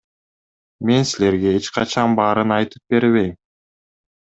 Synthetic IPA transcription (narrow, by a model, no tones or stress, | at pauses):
me̞nsile̞ɾɡe̞et͡ʃqɑt͡ʃɑnbɑːɾɯnɑjt̪ɯ̥p̚be̞ɾβe̞jm